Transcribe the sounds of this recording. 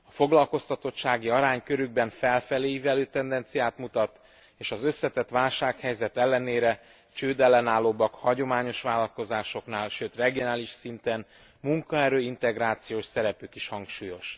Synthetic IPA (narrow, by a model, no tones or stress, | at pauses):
ɒfo̞ɡlɒlko̞st̪ɒt̪o̞tːʃaːɡiɒɾaːɲkø̞ɾyɡ̚bɛɱfɛlfɛleːjivɛløːt̪ɛnd̪ɛnt̪sijaːt̪mut̪ɒt̪ | eːʃɒzø̞sːɛt̪ɛt̪ʋaːlʃaːkhɛjzɛt̪ɛlːɛneːɾɛ | t͡ʃøːd̪ɛlːɛnaːlːoːbɒkhɒɟo̞maːɲo̞ʃʋaːlɒlko̞zaːʃo̞knaːlʃøːt̪rɛɡijo̞naːliʃsint̪ɛn | muŋkɒɛɾøːint̪ɛɡraːt̪sijoːʃsɛɾɛpykiʃhɒŋkʃuːjo̞ʃ